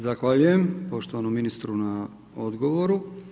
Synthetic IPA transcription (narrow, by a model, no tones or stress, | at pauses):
zaxʋaʎujempo̞ʃt̪oʋanomːinist̪ɾuna | od̪ɡo̞ʋoɾu